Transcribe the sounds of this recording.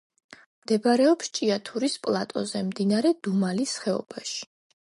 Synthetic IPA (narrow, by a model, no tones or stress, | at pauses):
md̪̥ɛbaɾɛɔpst͡ʃʼiat̪ʰuɾispʼlˠat̪ʼɔ̰zɛmd̪inaɾɛd̪umalisχɛɔ̰baʃi̥